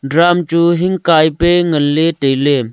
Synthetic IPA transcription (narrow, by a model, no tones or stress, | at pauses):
ɖɾaːmt͡ʃuɦɪŋɡkaːipeŋəlːeːʈejleː